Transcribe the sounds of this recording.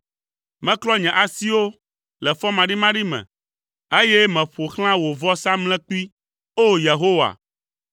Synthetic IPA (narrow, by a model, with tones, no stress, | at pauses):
mɛ̃˦klɔ˦ɲɛ̃˨ʔa˨si˦wo˦ | lɛ˨fɔ˦mã˨ɖi˦mã˦ɖi˦mɛ̰̃˨ | e˦jɛ˦mɛ̃˨ɸo˨xl̃ã˦wo˨vɔ˦sa˦mlɛ̃˦k͡pi˦ | o˦je˨ɦo˦wa̰˨